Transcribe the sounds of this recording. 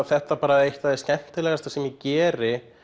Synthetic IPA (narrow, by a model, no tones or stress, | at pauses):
θɛht̪apaːɾaejht̪aðɪscɛn̥t̪ɪlɛːɣast̪asɛmjɪcɛːɾɪ